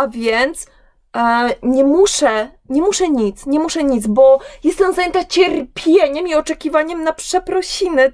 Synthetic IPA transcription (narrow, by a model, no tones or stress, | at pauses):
avʲjɛnt̪s | ɲɛmuʂɛ | ɲɛmuʂɛɲit̪sɲɛmuʂɛɲit̪zbɔjɛst̪ɛmzajɛnt̪at͡ɕɛɾpʲjeɲɛmiɔt͡ʂɛkʲivaɲɛmnapʂɛpɾɔɕinɘ